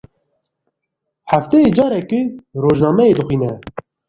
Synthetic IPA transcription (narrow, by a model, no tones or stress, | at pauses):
ħaft̪ɛjeːd͡ʒɑːɾɛkɨroːʒnɑːmɛeːd̪ɨxiːnɛ